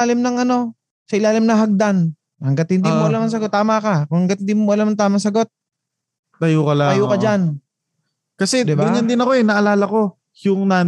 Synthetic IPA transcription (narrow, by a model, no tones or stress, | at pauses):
aːlɪmnɐŋʔɐno̞ | sɐʔɪlaːlɪmnɐŋɦɐɡ̚d̪an | hɐŋɡat̪̚hɪnd̪imoʔɐlamɐŋs̬ɐɡo̞t̪ːaːmakakʊŋhɐŋɡat̪̚hɪnd̪iːmomoʔɐlamɐŋt̪aːmaŋs̬ɐɡo̞t̪̚ | t̪ɐjuːkɐlaɐjuːkɐd͡ʒan | kɐsɛd̪ɪbaɪɲɐnd̪ɪnɐko̞ɛnɐʔɐlaːlɐko̞ | jʊŋnaː